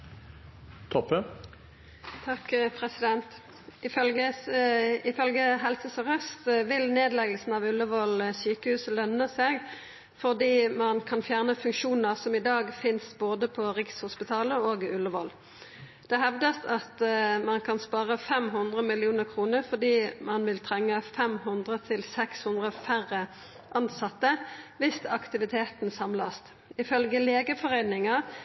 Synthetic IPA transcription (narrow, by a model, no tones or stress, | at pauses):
t̪ʰɔpːə | t̪ʰɑkpʰʁɛsɪd̪ɛnt̪ | ɪfœlɡə | ɪfœlɡəɦɛlsəsɔʁœst̪ʋɪlneːd̪lɛɡəlsn̩ɑʋʉlːəʋɔlsyːkəhʉːsəlœnːəsɛɡ | fɔʁd̪iːmɑnkʰɑnfjæːʁnəfʉŋkʃuːn̩əʁsɔmɪd̪ɑːɡfɪnsboːd̪əpʰɔʁɪkshʊspɪt̪ʰɑːləoːɡʉlːəʋɔl | d̪̥ɛɦɛʋd̪əsɑt̪mɑnkʰɑnspɑːʁəfɛmɦʉnd̪ʁəmɪlɪuːnəʁkʰʁuːnəʁfɔd̪iːmɑnʋɪlt̪ʰʁɛŋːəfɛmhʉnd̪ʁət̪ʰɪlsɛkshʉnd̪ʁəfæʁə | ʔɑnsɑt̪ːəʋɪst̪ɑkt̪ɪʋɪt̪ʰeːt̪n̩sɑmlɑst̪ | ɪfœlɡəleːɡəfɔʁeɪnɪŋɑ